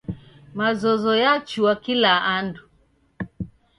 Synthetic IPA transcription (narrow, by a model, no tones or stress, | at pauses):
mazɔzɔjat͡ʃuwakilaandu